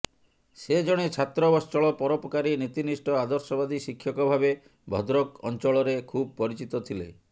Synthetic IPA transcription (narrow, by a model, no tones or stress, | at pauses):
sed͡ʒɔɽ̃et͡ʃʰat̪ɾɔbɔst͡ʃɔɭɔpɔɾopɔkaɾinit̪inisʈɔad̪ɔɾsɔbad̪isikʰjɔkɔbʱabe | bʱɔ̰d̪ɾɔkɔ̰nt͡ʃɔɭɔɾekʰub̚pɔɾit͡ʃit̪ɔt̪ʰilḛ